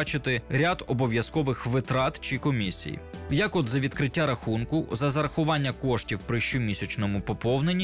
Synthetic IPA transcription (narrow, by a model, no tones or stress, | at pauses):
t͡ʃɪt̪ɪɾʲad̪ɔbɔʋʲjɐskɔʋɪxʋɪt̪ɾɑt̪t͡ʃɪkɔmʲisʲḭjḭjɐkɔd̪zɐʋʲid̪kɾɪtʲːaɾɐxunkʊzɐzɐɾɐxʊʋɑnʲːɐkɔʃtʲiwpɾɪʃt͡ʃʊmʲisʲɐt͡ʃnɔmʊpɔpɔwne̞nʲːi